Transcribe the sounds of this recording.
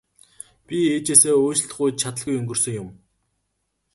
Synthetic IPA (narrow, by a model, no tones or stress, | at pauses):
pʲieːt͡ɕeːseːoːt͡ɕ̆ɬt̆χujt̪t͡ɕʰat̪ə̆ɮɣujɵŋɡɵ̆rsɵ̆ŋjʊm